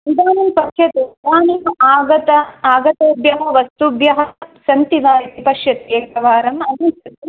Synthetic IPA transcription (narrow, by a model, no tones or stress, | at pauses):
ʋid̪aːnɐmpɐʃjɐt̪ed̪aːnɐaːɡɐt̪ɐaːɡɐt̪oːbjɐɦɐʋɐst̪ubjɐɦɐsɐnt̪iʋaːɾit̪ipɐʂjɐt̪ekɐʋaːɾɐmɐnisɐt̪i